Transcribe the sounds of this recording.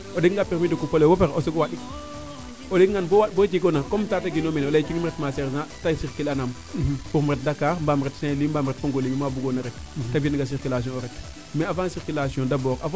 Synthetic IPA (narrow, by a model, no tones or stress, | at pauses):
odekŋɡapiɾmidukupolewopeɾosoɡowaɗik | olekŋɡanbowaɗbot͡ʃikonakomtataɡinominolet͡ʃuŋmɾetmaseɾzãtasiɾkilanam | puɾmuɾɛt̚dakːaːɾmbamɾetsẽlimbamɾet̚poŋɡolimimabuɡonaɾek̚ | tabiniɡas̬iɾkilas̬iɔ̃oɾɛt | mɛafãsiɾkilasiɔ̃dabɔːɾaf